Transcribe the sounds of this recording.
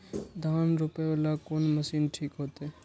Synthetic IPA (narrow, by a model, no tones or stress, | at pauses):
d̪ʱaːnɾʊpealakoːnməsiːnʈʰiːkɦoːt̪e